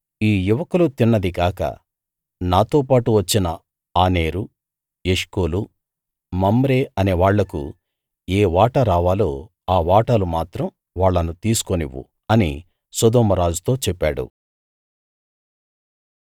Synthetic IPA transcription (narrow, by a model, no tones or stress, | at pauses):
iːjuʋɐkulut̪inːɐd̪ikaːkɐ̰ | naːt̪o̞ːpaːʈuʋɐt͡ʃːinɐ | aːne̞ːɾu | jeʂkoːlu | mɐmbɾe̞ɐneːʋaːɭːɐkṵ | eːʋaːʈɐɾaːʋaːlo̞ː | aːʋaːʈɐlumaːt̪ɾɐm | ʋaːɭːɐnut̪iːsu̥koniʋṵ | ɐni | sɐd̪ɔːmɐɾaːd͡ʒut̪o̞ːt͡ʃɛpːa̰ːɽṵ